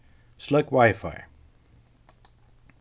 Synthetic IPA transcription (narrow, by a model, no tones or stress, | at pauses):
sləkwajfa̰ɪ